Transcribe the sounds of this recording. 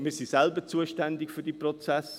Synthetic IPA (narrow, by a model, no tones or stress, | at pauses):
mɪːsisɛlbət͡suəʃtænd̪ɪkfyd̥iprɔt͡sæs